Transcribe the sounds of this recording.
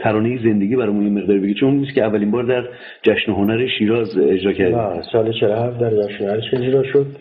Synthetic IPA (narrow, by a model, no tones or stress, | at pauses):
t̪ʰæɾɒːnejeze̞nd̪e̞ɟiːbæɾɒːjmunjeme̞ɣd̪ɒːɾibeɡet͡ʃʰouninːiscʰeævːælimbɒːɾd̪æɾ | d͡ʒæʃnoɦonæɾeʃiːɾɒːzed͡ʒɾɒːcʰæɾd̪iæsɒːlet͡ʃʰelohæfd̪æɾd͡ʒæʃnonæɾeʃe̞d͡ʒɾɒːʃod̪̚